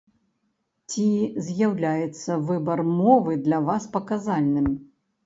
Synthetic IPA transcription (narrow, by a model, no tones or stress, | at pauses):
t͡sʲizʲjawlʲajɛt̪sːɐvɨbɐrmɔvɨd̪lʲɐvaspɐkazalʲnɨm